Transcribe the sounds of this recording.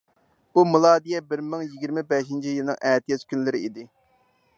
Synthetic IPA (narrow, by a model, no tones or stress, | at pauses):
umulˠɑːd̪ijɛbɪɾmɪŋjiɡʲiɾmɪbɛʃint͡ʃʰijɨlˠnɨ̰ŋʔɛːt̪ʰijɛt͡ʃ̪kʲʰynlɪɾɪid̪ɪ